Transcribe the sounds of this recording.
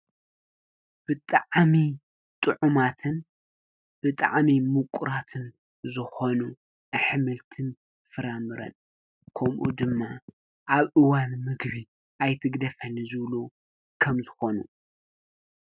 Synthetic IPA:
b̥ɨt̪ʼaʕmi | t̪ʼɨʕumat̪ʰɨn | b̥ɨt̪ʼa̰ʕmimukʷʼʊɾat̪ʰɨn | zɨxo̞nu | ʔɐħɨmɨlt̪ʰɨn | fɨɾamɨɾɐ̰n | kʰɐmʔṵd̪ɨmːa | ʔaβʔɨwanmɨɡβi | ʔajt̪ʰɨɡd̪ɐfɐnizɨβlu | kʰɐmzɨxo̞nṵ

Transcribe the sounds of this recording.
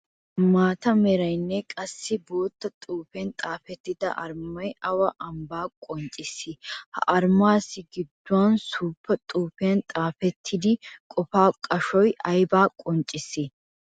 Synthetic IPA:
maːt̪ɐmɛɾɐjnːɛkʼɐsːɪbo̞ːt̪ːɐt̪ʼuːfɛnt̪ʼaːfɛt̪ːɪd̪ɐ̰ʔɐɾmɐjɐwɐʔɐmbaːkʼɔnt͡ʃʼɪsːɪhɐ̰ʔɐɾmaːsːɪɡɪd̪ːʊwaːnsuːpːɐt̪ʼuːfɪɐnt̪ʼaːfɛt̪ʰːɪd̪ɪkʼɔfaːkʼɐʃɔjʔɐjbaːkʼɔnt͡ʃʼɪsːɪ

